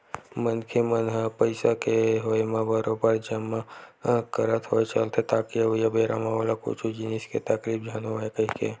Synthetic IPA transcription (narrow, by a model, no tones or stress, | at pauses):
mənkʰemənɦpəɪsakeɦoːjmãbaɾobaɾd͡ʒəmːakəɾət̪ɦoːet͡ʃəlt̪ʰet̪aːkiʋjabeɾamaʋalako̰t͡ʃʰud͡ʒiniskḛt̪əkɾibd͡ʒʱaːnoɦekəɦikḛ